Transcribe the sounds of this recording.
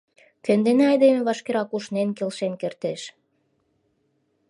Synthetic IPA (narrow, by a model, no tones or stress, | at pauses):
kønd̪eneɑjd̪emeβɑʃkeɾɑkuʃnenkelʃenkert̪eʃ